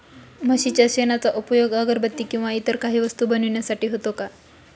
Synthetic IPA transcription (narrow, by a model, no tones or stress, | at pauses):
məɕit͡ɕjaɕenat͡saʔupəjoɡəɡəɾbət̪ːiːkĩw̃ʋait̪əɾkaɦiːʋəst̪uːbənuɳjasaʈiːɦot̪oka